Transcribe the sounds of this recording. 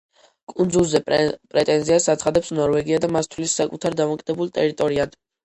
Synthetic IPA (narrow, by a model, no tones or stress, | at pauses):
kʼund̪zulˠzɛpʼɾɛt̪ʼɛnziasat̪sχad̪ɛpsnɔɾvɛɡiad̪amast̪ʰlisːakʼut̪ʰaɾd̪amɔkʼid̪̥ɛbulˠt̪ʼɛɾit̪ʼɔɾiad̪̥